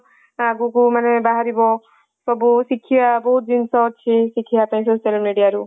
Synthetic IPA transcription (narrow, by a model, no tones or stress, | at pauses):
aɡukumanebaɦaɾibɔ | sɔbusikʰːijabɔɦut̪̚d̪insɔt͡ʃʰisikʰiapãĩsosalmiɖijaɾu